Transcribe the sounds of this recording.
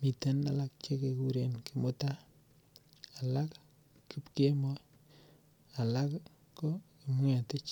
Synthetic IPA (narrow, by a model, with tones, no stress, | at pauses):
mi˨te˦na˨la˦k̚t͡ʃe˦keku˦ɾenki˨mo˦ta˦ | a˨la˦k | ku˦pke˦mo˦ | a˨la˦k | ko˦ki˨m˦a˨tɪ˦t͡ʃ